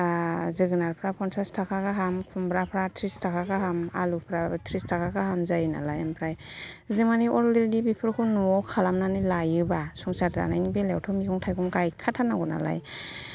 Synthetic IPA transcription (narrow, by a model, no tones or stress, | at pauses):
azɯɡɯnaɾpʰɾapʰɔnsastʰakʰaɡaɦamkʰumbɾapʰɾatʰɾistʰakʰaɡaɦama̰lupʰɾatʰɾistʰakʰaɡaɦamzajna̰lajempʰɾajzɯmaniʔɔɾliɾdibipʰɯɾkʰunuɔkʰalamnanilajɯbasuŋsaɾza̰najnibelewtʰɔmikɔŋtʰajkɔŋɡajkʰatʰanaɡɔna̰la̰j